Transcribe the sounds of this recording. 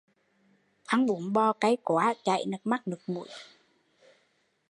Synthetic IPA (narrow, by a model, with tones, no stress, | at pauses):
t̪ʰa˨˧˦ŋɓu˨˦ənɓɔ˧ka˨˦jkwaː˨˦t͡ɕa̰˧˨jnɨ˨˩k̚ma˦˥k̚nɨ˨˩k̚mṵ˧˩˦j